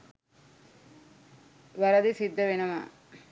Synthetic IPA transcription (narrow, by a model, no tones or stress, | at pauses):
ʋɐɾɐd̪isid̪ːɐʋinɐma̰